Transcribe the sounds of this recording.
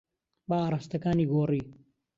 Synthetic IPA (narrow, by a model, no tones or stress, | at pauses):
baaːɾˤaːst̪ɐkaːniːɡoːriː